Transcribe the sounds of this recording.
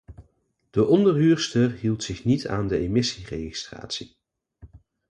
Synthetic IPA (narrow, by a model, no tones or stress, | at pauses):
d̥əʔɔndəɹɦyːɹstərɦilˠtsɪχnitʰaːndəemɪsirejχi̥stra̰ːtsi